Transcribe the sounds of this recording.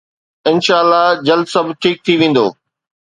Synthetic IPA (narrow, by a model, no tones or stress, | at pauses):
ɪnʃaːəlːad͡ʑɐlsɐbʱʈʰiːk̚t̪ʰiʋẽːn̆d̪o̰ː